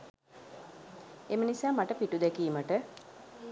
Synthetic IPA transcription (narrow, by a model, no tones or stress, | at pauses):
emənisaːmaʈəpiʈud̪ɛkiːməʈə